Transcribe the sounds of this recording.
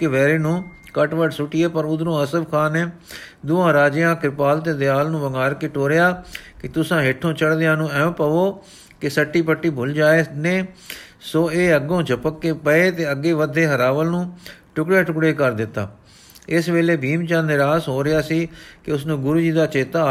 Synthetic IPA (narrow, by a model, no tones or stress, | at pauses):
kɪʋɛːɾeːnũː | kəʈʋəʈsʊʈɪeːpəɾʊd̪ɾũːəsəbkʰaːneːd̪ʊãːɾaːd͡ʒɪjãːkɪɾɪpaːlt̪eːd̪ɪjaːlnũːʋəŋaːɾkɪʈoːɾɪjaːkɪt̪ʊsãːɦeʈʰːõːt͡ʃəɽd̪ɪjãːnũːɛ̃ːpəʋoː | kɪsəʈːiːpəʈːiːbʱʊld͡ʒaːeːneː | soːeːəɡõːt͡ʃəpəkːeːpəeːt̪eːəɡːeːʋəd̪ʱːeːɦəɾaːʋəlnũːʈʊkɽaːʈʊkɽeːkəɾd̪ɪt̪ːa̰ː | ɪsʋeːleːbʱiːmt͡ʃãːnɪɾaːsɦoːɾɪjaːsiːkɪʊsnũːɡʊɾuːd͡ʒiːd̪aːt͡ʃeːt̪aː